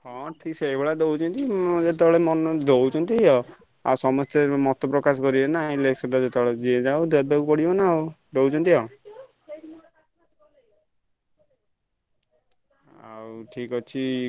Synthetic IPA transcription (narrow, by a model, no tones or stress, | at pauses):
ɔ̃ʈʰiksejbeɭad̪owt͡ʃʰɔnt̪id͡ʒet̪̬ɔɭemɔnɔd̪owt͡ʃʰɔnt̪iɦɔ | a̰sɔmɔst̪emɔt̪ɔpɾɔkas̬ɔkɔɾiɔnaĩleksɔɖɔd͡ʒet̪ɔɭed͡ʒied͡ʒawd̪eɾbekupɔɽibɔnaowd̪owt͡ʃʰɔnt̪iɦɔ | a̰wʈʰikɔt͡ʃʰi